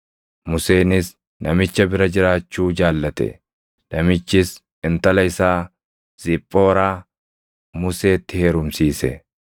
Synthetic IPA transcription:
mʊse̞ːnɪs | nɐmɪt͡ʃːɐbɪɾɐd͡ʒɪɾaːt͡ʃːuːd͡ʒaːlːɐt̪ɛ̰ | nɐmɪt͡ʃːɪs | ɪnt̪ɐlɐɪsaː | z̥ɪpʼːo̞ːɾaː | mʊse̞ːt̪ːɪhe̞ːɾʊmsiːsɛ

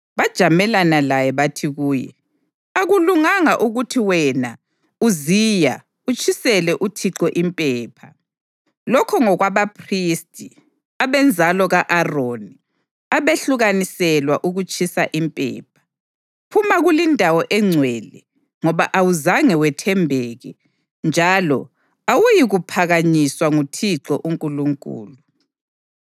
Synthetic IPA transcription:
βad̥ʒ̥ʱamɛlanalajɛβatʰiɣuːjɛ̰ | aɣuluŋaŋaʔuɣutʰiwɛna | uziːja | ut͡ʃʰʼisɛlɛʔutʰiǀɔʔimpʼɛːpʰa | lɔkʰɔŋɔɣwaβapʰristʼi | aβɛnd͡zʱalɔɣaʔaroni | aβeɬuɣanisɛlwaʔuɣut͡ʃʼisaʔimpʼɛ̰ːp̚ʰḁ | pʰumaɣulindʱawɔʔɛŋ͡ǀʱwɛlɛ | ŋɔβaʔawuzaŋɛwɛtʰɛmbʱɛɣɛ | nd͡ʒʱalɔ̰ | awujiɣupʰaɣaɲiswaŋutʰiǁɔʔuŋkʼuluŋkʼṵːlu

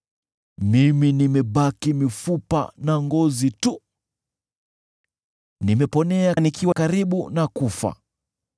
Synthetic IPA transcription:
miminimɛɓakimifupa̰naŋɡɔzitu | nimɛpɔnɛanikiwakaɾiɓunakufa̰

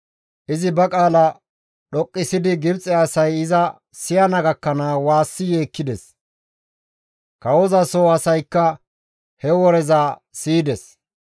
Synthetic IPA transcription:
ʔɪzɪbɐkʼaːlɐ | ɗɔkʼːɪsɪd̪ɪɡɪbt͡sʼɛɐsɐjɪzɐ | sɪjɐnɐɡɐkːɐnaːwaːsːɪjeːkːɪd̪ɛs | kɐwɔzɐsoːɐsɐjkːɐ | hɛwɔɾɛzaːsiːd̪ɛs

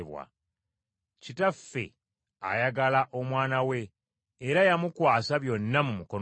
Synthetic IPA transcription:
βwa̰ | citafːe̞̰ | a̰jaɡalaʔo̞mwaːnawe̞ː | ɾajamukwaːsaβjo̞nːamumuko̞n

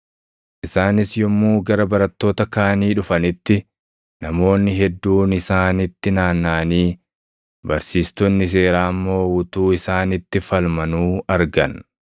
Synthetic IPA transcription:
ʔɪsaːnɪsjɔmːuːɡɐɾɐbɐɾɐt̪ːo̞ːt̪ɐkaːniːᶑʊfɐnɪt̪ːɪ | nɐmo̞ːnːɪɦɛd̪ːuːnɪsaːnɪt̪ːɪnaːnːaːniː | bɐɾsiːst̪ɔnːɪs̬e̞ːɾaːmːo̞ːwʊt̪uːɪsaːnɪt̪ːɪfɐlmɐnuːɐɾɡɐ̰n

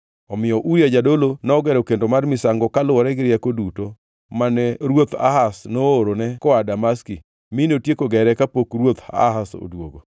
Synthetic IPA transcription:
ɔmɪjɔʔuɾjad͡ʒadolonɔɔɡɛɾokendomarmɪsaŋɡɔkalʊɔɾɛɡɪɾjakoduto | manɛɾwot̪a̰ɦasnooɾonɛkɔadamaski | minotjekoɡɛɾɛkapokɾwot̪a̰ɦaso̰dwoɡo

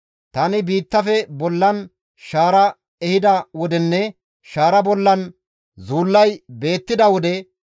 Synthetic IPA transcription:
t̪ɐnɪbiːt̪ːɐfɛbɔlːɐn | ʃaːɾɐ | ɛhɪd̪ɐwɔd̪ɛnːɛ | ʃaːɾɐbɔlːɐn | zuːlːɐjbe̞ːt̪ːɪd̪ɐwɔd̪ɛ

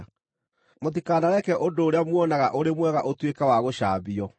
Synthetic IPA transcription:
motikaːnaɾɛkɛʔondoːɾeamwɔnaɣaʔoɾemwɛɣaʔotwekawaɣoɕaːbiɔ

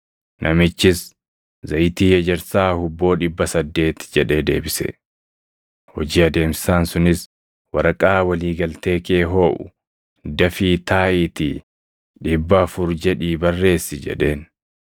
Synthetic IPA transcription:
nʔɐmɪt͡ʃːɪs | zɐjt̪iːjɐd͡ʒɛɾsaːhʊbːo̞ːᶑɪbːɐsɐd̪ːe̞ːt̪d͡ʒɛᶑe̞ːd̪e̞ːbɪsɛ̰ | hɔd͡ʒiːɐd̪e̞ːmsɪ̥saːnsʊnɪs | wɐɾɐkʼaːwɐliːɡɐlt̪eːke̞ːɦo̞ːʔʊ̰ | d̪ɐfiːt̪ʰaːʔɪt̪i | ᶑɪbːɐːfʊɾd͡ʒɛᶑiːbɐrːe̞ːsːɪd͡ʒɛ̰ᶑe̞ːn

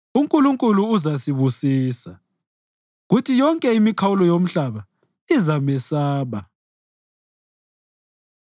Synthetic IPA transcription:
uŋkʼuluŋkʼuluːzasiβusiːsa | ɣutʰijɔŋkʼɛimikʰawulɔjom̩ɬaβa | izamɛsaːβa

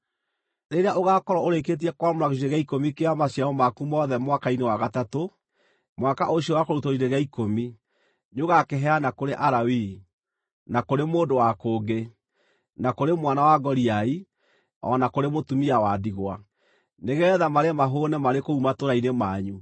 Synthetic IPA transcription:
ɾeɾeaʔoɣaːkɔɾɔoɾeket̬iɛkwamoɾaɣeiɾeɣaikomikeamaɕjaɔmakumɔðɛmwakainewaɣatato | mwakaʔoɕiowakoɾutoiɾeɣaikomi | ɲoɣakeɦɛanakoɾeʔaɾawi | nakoɾemoːdowakoːɡe | nakoɾemwanawaɡɔɾiai | ɔ̰nakoɾemotumiawadiɣwa | neɣɛðamaɾemaɦonɛmaɾekoumatoɾainemaːɲu

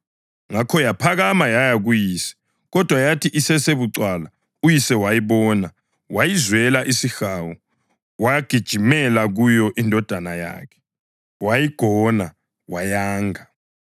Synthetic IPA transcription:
ŋakʰɔjapʰaɣamajajaɣujiːsɛ̥ | ɣɔd̥ʱwajatʰiʔisɛseβuǀwala | ujisɛwajiβɔːna | wajizwɛlaʔisixawɔ | waɡ̥ʱid̥ʒ̥ʱimɛlaɣujɔʔindʱɔd̥ʱanaja̰ːkʰɛ̥ | wajiɡ̥ʱɔna | wajaːŋa

